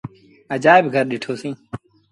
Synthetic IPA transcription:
əd͡ʒaːɪbɡʱəɾɗɪʈʰoːsĩː

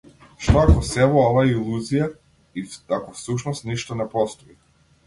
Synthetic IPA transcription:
ʃt̪ɔakɔsɛvɔɔvailˠuzija | iakɔfsuʃnɔst̪niʃt̪ɔnɛpɔst̪ɔi

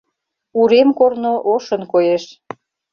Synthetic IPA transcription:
uɾemkornoʔoʃənkojeʃ

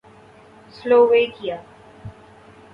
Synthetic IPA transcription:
sloːʋeːkijaː

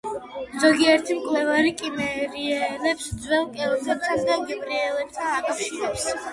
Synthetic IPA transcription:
zɔɡiɛɾt̪ʰimkʰlɛvaɾikʼimɛɾiɛlɛpsd̪zwɛlˠkʼɛɔsʰɛp̚t̪ʰand̪aɡɛpʼɾiɛlɛp̚t̪ʰanakʼafʃiɾɛps

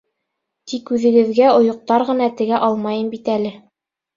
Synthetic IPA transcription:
t̪ikʉðɘ̆ɡɘ̆ðɡæŏjŏq̚t̪ɑɾʁɤ̆nɑt̪ɘ̆ɡæʔɑlˠmɑjɤnbit̪ælɘ

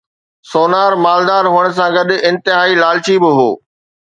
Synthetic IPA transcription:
soːnaːɾmaːld̪aːɾɦuəɽ̃̆s̬ãɡɐɗɪ̃nt̪ɪɦaːilaːlt͡ɕibɪɦo̰ː

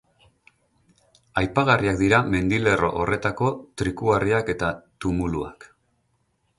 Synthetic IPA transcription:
ajpaɣariakd̪iɾame̞nd̪ile̞ro̞̰ʔore̞t̪ako̞t̪ɾikuɣariake̞t̪at̪umulua̰k

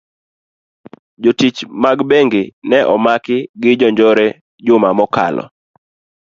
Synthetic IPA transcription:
d͡ʒotit͡ʃmaɡbeŋɡɪnɛʔɔmakɪɡɪd͡ʒɔɲd͡ʒɔɾɛ | d͡ʒʊmamɔka̰lɔ̰

